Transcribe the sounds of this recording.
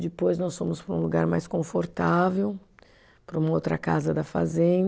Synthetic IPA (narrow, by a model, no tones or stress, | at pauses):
d͡ʒɪpojznɔsfõmʊspɾũluɡaɾmajskõfoɾt̪avew | pɾɐũmɐowt̪ɾɐka̰zɐd̪ɐfa̰zẽ